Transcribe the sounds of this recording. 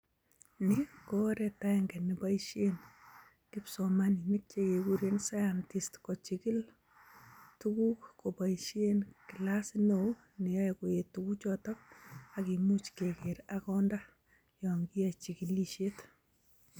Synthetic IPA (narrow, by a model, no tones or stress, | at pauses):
nɪkoɾɛtaɛŋɡɛnibaiʃien | kipsɔmaninik̚t͡ʃekekuɾensajantistkɔt͡ʃikil | tukukkopaiʃienkilasno | nijaɛkojetukut͡ʃɔtɔakimut͡ʃkekeɾakɔnda | jɔŋɡiat͡ʃikiliʃet